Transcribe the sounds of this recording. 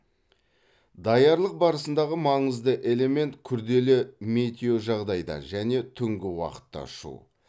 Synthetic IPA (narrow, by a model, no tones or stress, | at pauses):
d̪ɑjɑɾlˠəq̚bɑɾəsənd̪ɑʁəmɑɴəzd̪əʔe̞le̞me̞nt̪kʲʰʏɾd̪e̞lɪme̞t̪ʲeo̞ʒɑʁd̪ɑjd̪ɑ̰nʒæne̞t̪ʰʏŋɡʲɪwɑ̰qə̥t̪ːɑ̰ʃṵ